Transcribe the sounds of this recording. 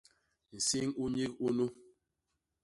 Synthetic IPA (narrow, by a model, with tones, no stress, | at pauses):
n̩˨si˦ŋu˦ɲi˦ku˦nu˦